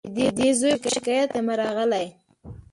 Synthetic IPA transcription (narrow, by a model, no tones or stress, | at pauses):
d̪ed̪ezojokaʃɪkɑjat̪amaɾɑɣəlaj